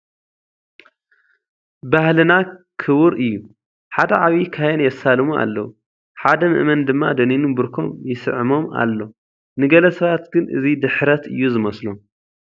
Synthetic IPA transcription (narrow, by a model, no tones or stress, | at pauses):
bahlɨnakʰɨwʊɾʔɨjːu | ħad̪ɐʕaβikʰajɛnjɛsalmua̰lːɐwu | ħad̪ɐmɨ̰ʔmɐnd̪ɨmːad̪ɐninubɨɾkʰo̞̰mjɪsɨ̰ʕɨmo̞ma̰lːo̞ | nɨɡɐlɐsɐβat̪ɡ̥ɨnʔɨ̰zid̪ɨħɾɐt̪ɨ̰jːuzɨmɐslom